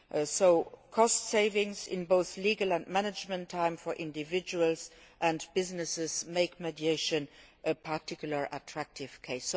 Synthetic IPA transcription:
soʊkʰɔstseɪvɪ̃ŋsɪ̰̃nboʊθliːɡəlæ̃ntmænəd͡ʒmə̃ntʰːãɪ̃mfɔʔɪ̃ndivɪd͡ʒuəlzʔæ̃ntb̥ɪznəsɪzmeɪkmɛdjeɪʃə̃nʔəpʰatʰɪkjulə˞ʔətʰɹæk̚tʰɪv̥kʰeɪs

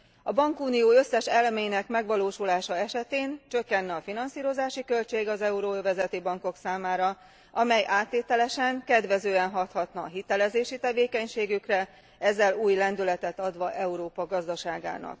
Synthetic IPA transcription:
ɒbɒŋkuːnijoːø̞sːɛʃɛlmɛjinɛkmɛɡʋɒloːʃulaːʃɒɛʃɛt̪eːnt͡ʃø̞kːɛnːɛɒfinɒnsiːɾo̞zaːʃikø̞lt͡ʃeːɡɒzɛuɾoːvɛzɛt̪ibɒŋko̞ksaːmaːɾɒ | ɒmɛjʔaːt̪ːeːt̪ɛlɛʃɛŋkɛd̪ʋɛzøːɛnɦɒt̪hɒt̪nɒːɦit̪ɛlɛzeːʃit̪ɛveːkɛɲʃeːɡykrɛ | ɛzːɛluːjlɛnd̪ylɛt̪ɛt̪ɒd̪ʋɒʔɛuɾoːpɒɡɒzd̪ɒʃaːɡa̰ːnɒ̰k

